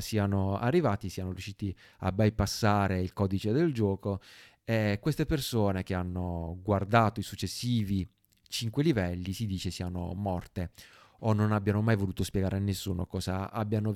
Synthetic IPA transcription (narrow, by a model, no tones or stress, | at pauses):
siːanoa̰rːivaːt̪isiːanoɾjuʃːiːt̪i | a̰bːajpasːaːɾeilkɔːd̪it͡ʃed̪eld͡ʒɔːko | ekːwest̪epersoːnek̟eanːoɡward̪aːt̪oisut͡ʃːesːiːvi | t͡ʃiŋkwelivɛlːisid̪iːt͡ʃesiːano̰mɔrt̪e | onːonabjanomajvoluːt̪ospjɛɡaːɾeanːesːuːnokɔːza̰a̰bːjano